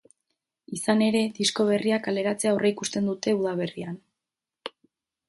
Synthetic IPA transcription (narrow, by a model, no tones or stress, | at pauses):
isane̞ɾe̞ðisko̞β̞e̞riakale̞ɾat͡se̞aoreikust̪e̞nd̪ut̪e̞uðaβ̞e̞rian